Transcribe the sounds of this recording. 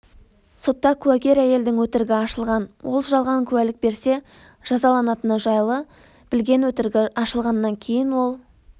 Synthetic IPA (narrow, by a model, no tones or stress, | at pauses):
so̞t̪ːɑkʲʰʉwækʲe̞ɾæje̞ld̪ɪŋwɵt̪ɪɾɡʲɪɑʃəlˠʁɑnwʔo̞lˠʒɑlˠʁɑŋkʲʰʉwælɪk̚be̞ɾse̞ | ʒ̥ɑzɑlˠɑnɑt̪ənəʒɑjlˠə | b̥ɪlɡʲe̞nwɵt̪ɪɾɡʲɪɑʃəlˠʁɑnːɑŋkʲʰe̞jɪnwo̞lˠ